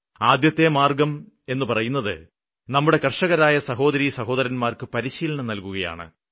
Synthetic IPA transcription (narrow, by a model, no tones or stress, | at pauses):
aːd̪jɐt̪ːe̞maːrɡɐm | e̞nːɨpɐrɐjunːɐðɨ̰ | nɐmːuɽe̞kɐrʂɐɣɐɾaːjɐsɐɦo̞ːd̪ɐɾisɐɦo̞ːd̪ɐɾɐnmaːrkɨpɐɾiɕiːlɐɳɐnɐlkuɣɐja̰ːɳɨ̰